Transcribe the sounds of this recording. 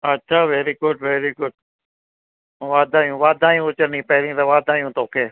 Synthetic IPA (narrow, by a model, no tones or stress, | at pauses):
ətːʃʰaːʋeːɾiɡʊɖʋeːɾiɡʊɖ | ʋaːd̪ʱaːjũːʋaːd̪ʱaːjũʊt͡ʃəɾnĩːpɐɦɪɾĩt̪ɐʋaːd̪ʱaːjũːt̪oːkʰeː